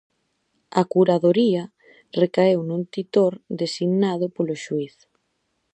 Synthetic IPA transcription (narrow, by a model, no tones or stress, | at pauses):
akuɾaðoɾia | rekaewnũnt̪it̪oɾd̪esiɣnað̞ʊpoloʃuiθ